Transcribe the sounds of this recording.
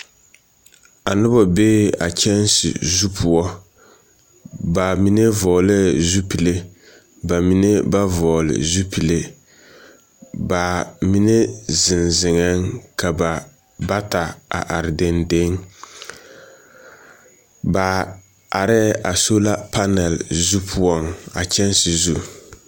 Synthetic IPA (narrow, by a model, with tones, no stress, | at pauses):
a˨nʊ˦bɔ˨beː˦a̰˨t͡ʃɛ˦nsɪ̰˨zu˦pʰu˨ɔ˦ | ba˨mi˦ne˦vɔː˨lɛ˦zu˦pi˨le˦ | ba˨mi˦ne˦ba˦vɔː˨lɪ̰˨zu˦pi˨le˦ | ba˨mi˦ne˦zɪ˨nzɪ˨ŋɛ˦ŋka˨ba˨ | ba˦ta˨a̰˨ʔa˨ɾɪ˨de˨nde˦ŋ | ba˨ | a˨ɾɛ˦ʔa˨so˦la˦pa˦nɛ˨lzu˦pʰʊ˦ɔ˦ŋa̰˨t͡ʃɛ˦nsɪ˨zu˨